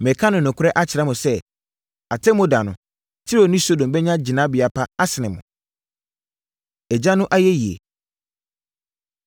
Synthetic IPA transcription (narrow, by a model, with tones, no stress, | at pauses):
mɛ˨kʰã˦nʊ̃˨nʊ̃˨kʰʊ˦ɾɛ˦ʔa˦t͡ɕʰɪ˨ɾa˦mʊ̃˨sɛ˦ | a˨tʰɛ̃˦mʊ̃˦da˨nʊ̃˨ | tʰɪ˦ɾo˨nĩ˦so˦dõ˨bɛ˦ɲã˦d͡ʑɪ˨nã˦bɪ˨a˨pʰa˦a˦sɪ˨nɪ̃˨mʊ̰̃˨ | ɛ˨d͡ʑa˦nʊ̃˦ʔa˦jɛ˦ji˨ḛ˨